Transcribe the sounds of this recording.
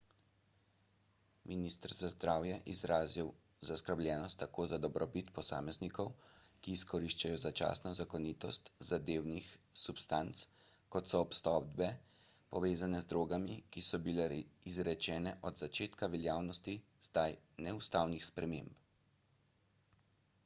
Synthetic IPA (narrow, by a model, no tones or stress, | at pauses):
mʔinist̪əɾzazd̪ɾaːwjɛʔizɾaːziw | zaskəɾbljɛːnɔst̪ːakoːzad̪ɔbɾɔbit̪pɔsa̰ːmɛznikɔwkiːskɔɾiʃt͡ʃajɔzat͡ʃa̰ːsnɔzakɔniːt̪ɔst̪zad̪eːwnixsupst̪ant̪s | kɔt̪sɔːpst̪ɔd̪bɛ | pɔʋeːzanɛzd̪ɾoːɡamikisɔbilɛizɾɛt͡ʃɛːnɛʔɔd̪zat͡ʃeːt̪kaʋɛljaːwnɔst̪iz̥d̪aj | nɛust̪aːwnixspɾɛmḛmp